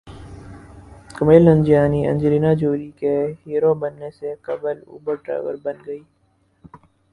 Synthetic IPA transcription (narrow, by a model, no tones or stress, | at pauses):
kəmeːlə̃nd͡ʒijaːniʔɐ̰̃nd͡ʒɾiːnad͡ʒoːɾikeɦiːɾobɐnːesekɐbəlṵːbəɾʈɾa̰ːʋəɾbɐnɡɐiː